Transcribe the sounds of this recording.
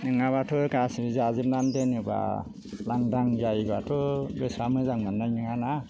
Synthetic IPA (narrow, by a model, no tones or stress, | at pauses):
nɯŋaβatʰɯkasibɯziazipnandenɯba̰ | laŋdaŋzajbatʰɯbesamɯzaŋmanːajnɯŋana